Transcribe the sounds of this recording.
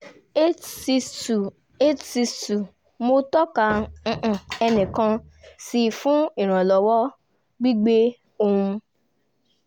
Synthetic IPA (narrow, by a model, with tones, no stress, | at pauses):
e˦tsi˧stu˨ | mo˧tɔ˦kã˧˦˧ʔ̩˨ɛ˧nĩ˨kã˧ | si˧fũ˦i˦˨ɾ̃ã˨lɔ˨˦wɔ˦ | ɡ͡bi˦ɡ͡be˦ | o˧hũ˧